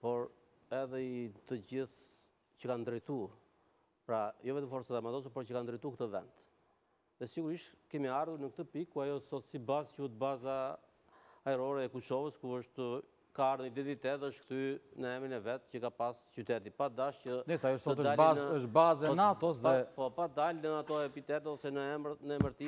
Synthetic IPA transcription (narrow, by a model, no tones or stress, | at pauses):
pɔɾ | ɛðɛit̪əd͡ʑiθ | cəkand̪ɾɛjt̪u | pɾajɔvɛt̪əmfɔɾsaðɛmat̪ɔs̬apɔɾcəkand̪ɾɛjt̪ukt̪əvɛ̰nd̪ | ðɛsiɡuɾiʃkɛmiaɾðuɾnək̚t̪əpikkːuajɔsɔt̪sibazcuʃt̪bazaː | ɛɾɔɾɛɛkut͡ʃɔvəskuəʃt̪ə | kaaɾnid̪iðit̪ɛðɛəʃt̪kt̪ynəɛmɾinɛvɛt̪cəkapascyt̪ɛt̪ipad̪aʃcənɛsajɔʃsɔət̪ədalaəəʃbazɛɔnat̪ɔsðɛpɔpad̪alnəat̪ɔɛpit̪ɛt̪ɛɔsɛnəɛnəɛməɾt̪i